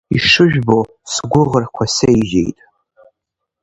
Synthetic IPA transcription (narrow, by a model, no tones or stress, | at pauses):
iʂɨʒᶣbo | sɡʷʊʁərkʷʰasejʒḛjtʼ